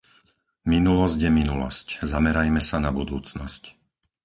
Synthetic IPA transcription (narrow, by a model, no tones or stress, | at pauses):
minulɔzɟjɛminulɔ̰sczamɛɾajmɛsanabud̪uːt͡snɔsc